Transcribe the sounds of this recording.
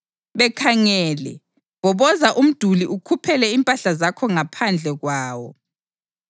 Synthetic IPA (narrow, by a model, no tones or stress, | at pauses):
βɛkʰaŋɛːlɛ | βɔβɔzaʔum̩d̥ʱuliʔukʰupʰɛlɛimpʼaɬazakʰɔŋapʰand͡ɮʱɛɣwaːwɔ̰